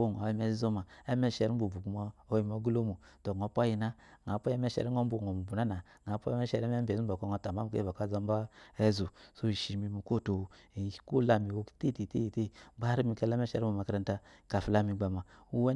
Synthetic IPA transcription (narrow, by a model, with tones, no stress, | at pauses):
o˦˨ŋ˨a˨˦i˦mɛ˦zi˦zo˦ma˨ɛ˦mɛ˦ʃɛ˨ɾi˦m̩˦bo˨bu˨ku˨˦ma˦o˦ji˨mo˨˦ɡu˦lo˦mu˨ | to˨ŋ˨ɔ˨˦pʷa˦ji˨na˦ŋa˨˦pɔ˦ɛ˦mɛ˦ʃɛ̰˨ɾi˦ŋo˦m˦bo˨ɔ˨mu˨bu˨na˦na˨ | ŋa˨˦pɔ˦ɛ˦mɛ˦ʃɛ˨ɾɛ˦m˦ɛ˦be˨u˦bɔ˨kɔ˦ŋɔ˧˦ta˨a˦m˨˦kḛ˦bo˨ka˦zɔ˦m˦ba˦ɛ˦zu˨so˦˨ʃi˨mi˧mi˨ko˦˨to˨ko˦la˨mi˨wo̥˨˦te˦˨te˨te˦jte˦ɡ͡ba˦ɾi˦mi˨kɛ˦la˦mɛ˦ʃɛ̰˨ɾo˨a˨ka˦ɾa˦n˦ta˦ka˨fi˨la˦mi˨ɡ͡ba˨ma˨u˦wɛ˦